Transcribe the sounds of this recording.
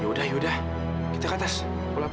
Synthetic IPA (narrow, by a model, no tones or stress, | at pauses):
judahjudah | kit̪akat̪as | kola